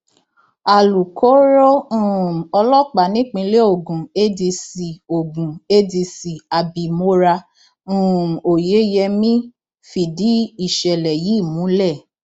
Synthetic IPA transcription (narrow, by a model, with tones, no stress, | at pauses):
a˨lu˨kʰo˨˦ɾo˦ũ˦˨ɔ˧lɔ˦k͡pa˨nĩ˦k͡pĩ˧le˦o˦˨ɡũ˨e˦di˧si˨o˨ɡũ˨e˦di˧si˨a˨bi˨mo˧˦ɾã˧˦˨ | o˨je˨˦jɛ˧mĩ˦ | fi˨di˨˦i˦˨ʃɛ˨lɛ˨ji˨˦˨mũ˨˦lɛ˦˨